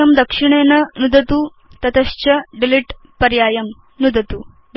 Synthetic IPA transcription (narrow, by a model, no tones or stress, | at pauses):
ɐmd̪ɐkʂiɳ̃eːnɐnud̪ɐt̪uː | t̪ɐt̪ɐɕt͡ɕɐɖiliʈ | pɐɾjaːjɐm | nud̪ɐt̪u | ɖ